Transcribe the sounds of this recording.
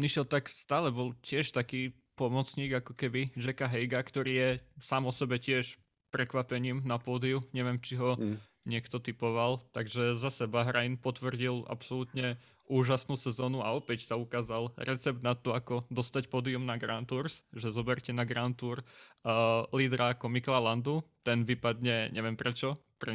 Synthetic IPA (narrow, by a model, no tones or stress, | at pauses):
niʃɛlt̪akst̪aːlɛbɔlˠcɪɛʃt̪akiː | pɔmɔt͡sɲiːɡakɔ̥kɛbid͡ʒɛkaɦɛjɡakt̪ɔɾiːjɛsaːmɔsɛbɛcɪɛʃ | pɾɛkʋapɛɲiːmnapɔːd̪iuɲɛʋɛmt͡ʃiɦɔ | ɲɪɛkt̪ɔt̪ipɔʋalt̪aɡʒɛzasɛbaɦɾajnpɔt̪ʋr̩ɟila̰psɔlut̪ɲɛ | ʔuːʒasnuːsɛzɔːnuaɔpɛcsaukaːzalɾɛt͡sɛb̚d̪nat̪ːɔakɔd̪ɔst̪acpɔːd̪iumnaɡɾant̪uɾsʒɛzɔbɛɾcɛnaɡɾant̪uːɾ | liːd̪ɾaːkɔmiklaland̪ut̪ɛnʋipad̪ɲɛɲʔɛʋɪɛmpɾɛt͡ʃɔpɾɛ